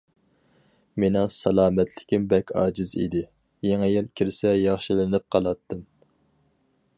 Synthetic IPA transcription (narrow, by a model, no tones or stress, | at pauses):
menɪŋsɑlˠɑːmɛt̪ʰlɪkʲimbɛkʲʰɑ̰ːd͡ʒɪzḭd̪ɪ | jeŋɪjilˠkʲʰiɾsɛjɑχʃilɪnɨp̚qʰɑlˠɑt̪ʰːɨm